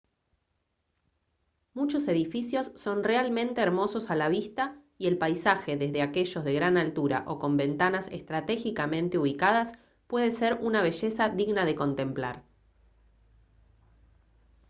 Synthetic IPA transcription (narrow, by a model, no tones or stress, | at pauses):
mut͡ʃo̞se̞ðifisjo̞sːo̞nrealmẽnt̪e̞ːɾmo̞so̞salaβist̪a | ie̞lpajsaxe̞ðe̞zðeake̞ʒo̞zðe̞ɣɾanalt̪uɾa̰ʔo̞ko̞mbe̞nt̪anasest̪ɾat̪e̞xikamẽ̞nt̪euβ̞ikað̞as | pwe̞ð̞eseɾunaβ̞e̞ʒe̞saðiɣnað̞e̞ko̞nt̪e̞mplaɾ